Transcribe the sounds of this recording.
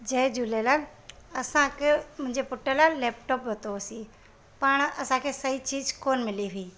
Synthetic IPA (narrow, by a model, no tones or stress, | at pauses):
d͡ʑɐːd͡ʑulelaː | ɐsãkʰemʊ̃ɦɪ̃ɲd͡ʑepʊʈəlaːlɛːpʈoːpʋɐt̪oɐsi | pɐɽ̃ɐsãkʰeːsɐit͡ɕiːzkoːnmɪliɦʊiː